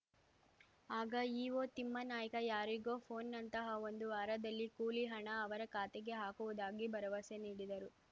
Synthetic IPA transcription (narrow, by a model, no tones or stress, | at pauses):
aːɡɐiːʋoːt̪imːɐnaːjɐkɐjaːɾiɡo̞ːpʰo̞ːnːɐnt̪ɐɦɐo̞nd̪uʋaːɾɐd̪ɐlːikuːliɦɐɳɐːʋɐɾɐkaːt̪eɡe̞ɦaːkuʋud̪aːɡibɐɾɐʋɐseniːɽid̪ɐɾu